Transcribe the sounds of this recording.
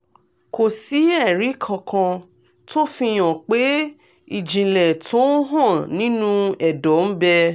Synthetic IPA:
ko˨si˨˦ɛ˦˨ɾi˨˦kʰã˧kʰã˧ | to˦fĩ˧j̃ɔ̃˨k͡pe˦ | i˦˨d͡ʒĩ˨lɛ˨tʰo˦ɦã˦˨nĩ˦nũ˧ɛ˨dɔ˨˦n̩˦bɛ˧

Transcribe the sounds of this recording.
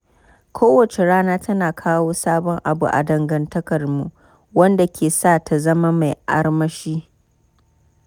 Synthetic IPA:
kʷʰoː˦wɐ˨t͡ʃe˨ɽaː˦naː˦tɐ˦naː˨kʰaː˦woː˦saː˦bɔ˦ŋʔa˨bṵ˨ʔa̰˨dɐ˨ŋɡɐ˨ntɐ˦kɐ˨rmu˨ʔ | wɐ˦nda˨kʲʰeː˨saː˦˨tʰa˨zɐ˦ma˦ma˨jʔa̰˦rmɐ˦ʃiː˦

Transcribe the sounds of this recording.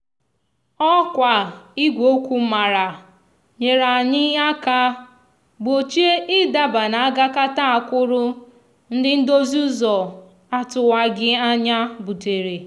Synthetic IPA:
ɔ˦kʷa˨i˦ɡʷo˦kʷu˦ma˨ɾa˨ | ɲe˨ɾa˨ɲɪ˦ja˦ka˦ | ɡ͡bo˨t͡ʃi˦e˦ʔɪ˦da˦ba˨na˨a˦ɡa˦ka˦ta˦a˨kʷʊ˦ɾʊ˦ | n̩˦dɪ˦n̩˦do˦zu˦zɔ˨ | a˦tʊ˨wa˨ɡɪ˦a˦ɲa˦bu˨te˨ɾe˨

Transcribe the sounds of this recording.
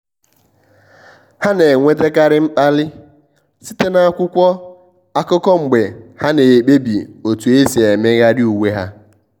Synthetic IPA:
ha˦ne˨ŋʷe˦te˦ka˦ɾɪ˦ŋ͡m̩˦k͡pa˦lɪ˦ | si˦te˦na˨a˨kʷʊ˦kʷɔ˦ | a˦kʊ˦kɔ˦ŋ͡m̩˨ɡ͡be˨ha˦ne˨e˨k͡pe˦bi˨o˨tu˨e˦si˨e˨me˦ɣa˦dɪ˦u˨we˦ɦa˦

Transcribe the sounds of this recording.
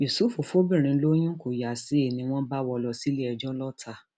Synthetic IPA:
ju˨su˦fu˨fo˦bĩ˦˨ɾ̃ĩ˧˦lo˦j̃ũ˦ko˨ja˨si˨˦e˦˨nĩ˧w̃ɔ̃˦ba˦wɔ˧lɔ˧si˦le˦ɛ˧d͡ʒɔ˦lɔ˦tʰa˨˧

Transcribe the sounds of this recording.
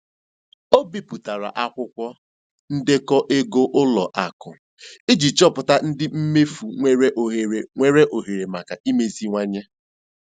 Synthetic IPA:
o˦bi˨pu˨ta˨ɾa̰˨ʔa˦kʷʊ˦kʷɔ˦ | n̩˦de˦kɔ˦ʔe˦ɡo˦ʔʊ˦lɔ˨ʔa˨kʊ˨ | i˦d͡ʒi˨t͡ʃɔ˦pʊ˨ta˦n̩˦dɪ˦m̩˦me˦fu˨ŋʷe˦ɾe˦ʔo˨ɦe˨ɾe˨ŋʷe˦ɾe˦ʔo˨ɦe˨ɾe˨ma˨ka˨i˦me˨zi˦ŋʷa˦ɲe˦

